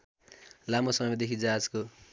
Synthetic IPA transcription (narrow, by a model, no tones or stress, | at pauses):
lamosʌmʌmd̪ekʰid͡zad͡zko